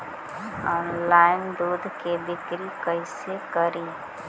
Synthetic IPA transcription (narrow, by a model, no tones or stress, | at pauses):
ɔːnlaːɪnd̪uːd̪ʱked̪ɪkɾikəɪsekəɾiː